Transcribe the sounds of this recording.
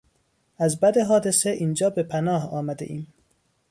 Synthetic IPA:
ʔæzbæd̪eɦɒːd̪e̞seʔiːnd͡ʒɒːbepʰænɒːhɒːmæd̪ḛʔiːm

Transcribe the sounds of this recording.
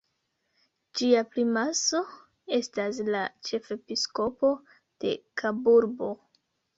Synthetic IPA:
d͡ʒiaplimaso̞ | e̞stas̬lat͡ʃe̞fe̞pisko̞po̞ | d̥e̞̰kʰabuɾbo̞

